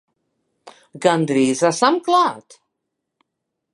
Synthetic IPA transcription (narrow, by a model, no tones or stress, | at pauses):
ɡand̪ɾiːzasamklat̪